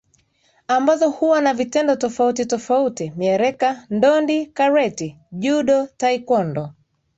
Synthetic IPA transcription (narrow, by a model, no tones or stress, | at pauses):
ambazɔhuwanavitɛndɔtɔfautitɔfautimiɛɾɛkandɔndikaɾɛti | ʄuɗɔtaikɔndɔ